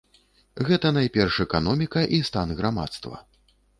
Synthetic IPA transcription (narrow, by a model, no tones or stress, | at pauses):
ɣɛt̪ɐn̪ajpʲɛrʂɛkanɔmʲikɐʔist̪anɣɾama̰t̪st̪vɐ̰